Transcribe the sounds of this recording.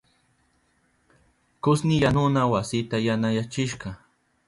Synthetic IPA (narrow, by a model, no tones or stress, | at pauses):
kʊsnɪjanʊnawasɪt̪ajanajat͡ʃɪʃɢɑ